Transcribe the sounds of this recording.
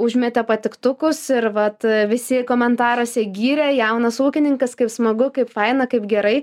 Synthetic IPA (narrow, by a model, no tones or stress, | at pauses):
ʊʒʲmʲɛt̪ʲɛpɐt̪ʲɪkt̪ʊkʊsɪɾʋɐt̪ʋʲɪsʲɪkoːmʲɛnt̪ɑːɾosʲɛɡʲiːɾʲɛjɛʊnɐsuːkʲɪnʲɪŋkɐskɐɪpsmɐɡʊkɐɪpfɐɪnɐkɐɪpɡʲɛɾɐɪ